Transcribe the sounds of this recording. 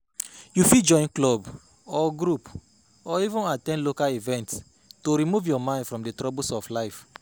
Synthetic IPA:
jufid͡ʒɔ̃j̃nklɔb | ɔɡɾup | ɔivũnatɛ̃nlokalivɛ̃nt | toɾimuvjɔmãɪ̃ndfɹɔ̃mdetɹɔbosɔflaɪf

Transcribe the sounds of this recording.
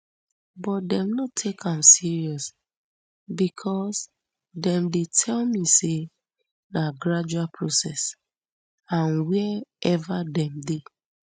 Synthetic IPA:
bɔt̚dɛ̃mnotʰekʰãmsiɹiɔs | bikʰɔs | dɛ̃mdetʰɛlmise | naɡɾad͡ʒualpʰɹosɛs | ãnwɛɛvadɛ̃mde

